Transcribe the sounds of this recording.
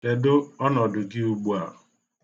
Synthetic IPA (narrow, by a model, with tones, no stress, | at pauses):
de˨do˦ɔ˦nɔ˨dʊ˨dɪ˦u˦ɡ͡bu˦a̰˨ʊ˨